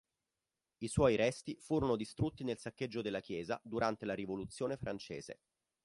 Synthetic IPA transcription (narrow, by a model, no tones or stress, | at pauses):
iswɔjɾɛst̪ifuːɾonod̪ist̪ɾut̪ːinelsakːed͡ʒːod̪elːak̟jɛːza̰d̪uɾant̪elaɾivolut̪sːjoːnefɾant͡ʃḛːz̥ḛ